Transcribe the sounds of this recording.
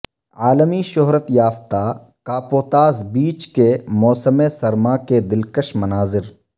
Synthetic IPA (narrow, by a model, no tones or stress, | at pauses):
aːləmiʃʊɦɾət̪jaːft̪a | kaːpoːt̪aːzbiːt͡ʃkemɔːsəmesɐɾmaked̪ɪlkəʃmɐnaːzɪɾ